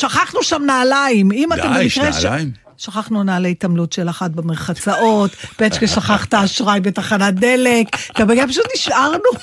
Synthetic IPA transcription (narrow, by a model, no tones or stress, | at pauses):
ʃaχaχnuʃamnaːlaimimat̪embemikʁeʃ | ʃaχaχnunaːlaitamlutʃelaχat̚bemeʁχat͡saʔo̞tbet͡ʃkeʃaχaχt̪aːʃʁajbetaχanad̪e̞lektabeɡepaʃ̬ut̪niʃʔaʁnu